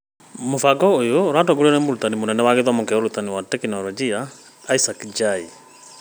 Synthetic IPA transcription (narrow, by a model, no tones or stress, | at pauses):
mofaɡɔojoɾatɔɡuɾiɔnɛmoɾut̪animonɛndɛwaɡeðwamokɛɔɾut̪aniwatɛkinɔlɔd͡ʒiaː | isakd͡ʒai